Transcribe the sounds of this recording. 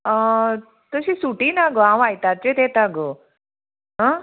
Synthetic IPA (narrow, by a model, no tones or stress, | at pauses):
ə | t̪əɕisuʈiːnaɡoãw̃ʋajt̪aɾt͡ɕet̪et̪aɡo | ɦã